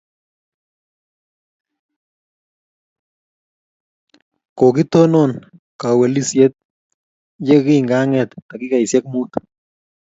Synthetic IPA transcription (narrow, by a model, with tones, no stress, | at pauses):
ko˨ki˦t̪o˦no˦˨n | ka˨wɛ˨li˦sjɛ˦t̪̚ | je˦ki˦˨ŋɡa˦ŋɛ˨t̪ːa˨kɪ˦ka˨jsjɛ˦k̚mu˦t̪